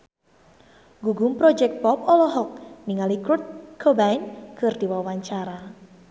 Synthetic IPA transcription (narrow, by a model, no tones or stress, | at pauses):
ɡuɡumpɾɔd͡ʒɛk̚t̪̚pɔpɔlɔɦɔk̚niŋalikɾut̪̚kʰɔbajnkɨrd̪̥iwawaɲt͡ʃaɾa